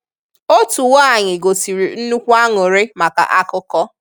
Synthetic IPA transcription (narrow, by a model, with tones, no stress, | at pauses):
o˦tu˨wa˦˨ɲɪ˨ɡo˨ti˨ɾi˨n̩˦nu˦kʷu˦a˦ŋo˨ɾe˦ma˨ka̰˨ʔa˦kʊ˦kɔ˦